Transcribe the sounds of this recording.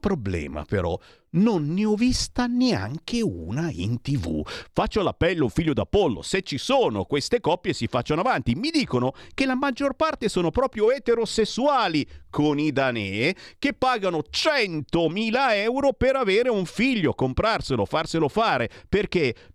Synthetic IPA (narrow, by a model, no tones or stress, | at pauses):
pɾoblɛ̰ːma̰peɾɔ̰ | nonːeɔvist̪anea̰ŋkeṵnaḭnt̪ivṵfat͡ʃːolapːɛlːouɱfiʎːod̪a̰polːo̰set͡ʃːisoːno̰kwest̪ekɔpːjesifat͡ʃːanoavant̪imid̪iːkonokelamad͡ʒːorpart̪esoːnopɾɔːpɾjoɛt̪eɾosesːuaːlikʰonid̪anɛːk̟epːaːɡanot͡ʃɛnt̪omiːlaɛwɾopeɾaveːɾeuɱfiʎːokompɾarselofarselofaːɾeperk̟e